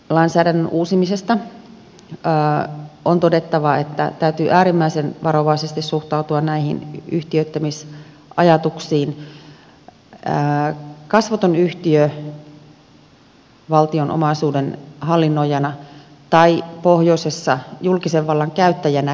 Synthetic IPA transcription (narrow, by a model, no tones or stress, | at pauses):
lɑinsæːdænːønʔuːsimisest̪ɑ | ʔont̪odet̪ːɑʋɑet̪ːæ̰t̪æyt̪yːʔæːɾimːæisenʋɑɾoʋɑisest̪issuht̪ɑut̪uɑnnæihḭnyht̪iøt̪ːæmis | ʔɑjɑt̪uksiːn | kɑsʋɑt̪onyht̪iø | ʋɑlt̪ionʔo̰mɑisuːdenhɑlːinːojɑnɑ | t̪ɑipohjoisesːɑjulkiseʋʋɑlːɑŋkæyt̪ːæjænæ